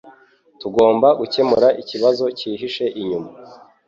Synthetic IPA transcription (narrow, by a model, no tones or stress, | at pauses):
tuɡo̞ːmbaɡuce̞muɾaʔiciβazo̞ciːɦiʃe̞ʔiɲuma